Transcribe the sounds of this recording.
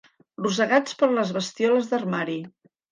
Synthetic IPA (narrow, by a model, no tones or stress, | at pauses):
rus̬əɣat͡spəɾləzβəst̪iɔləzðərmaɾi